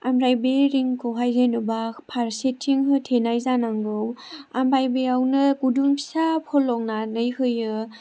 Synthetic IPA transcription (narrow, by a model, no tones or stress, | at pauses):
amɾajbeɾiŋkʰoɦajzenubapʰaɾsetʰːiŋɦɯtʰenajzanaŋɡɯwambajbeawnɯkudumsapʰɔlːɔŋ̚nanɯjhɯjɯ